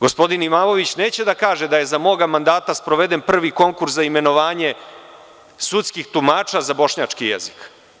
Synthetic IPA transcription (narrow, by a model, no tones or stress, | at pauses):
ɡo̞spo̞d̪inimaːmo̞ʋit͡ɕne̞ːt͡ɕe̞d̪akaːʒe̞d̪aje̞zamo̞ːɡamand̪aːt̪aspɾo̞ʋe̞d̪enpr̩ʋiko̞ŋkuɾszaime̞no̞ʋaːɲe̞ | sut̪skixt̪umaːt͡ʃazabo̞ʃɲaːt͡ʂkijḛzik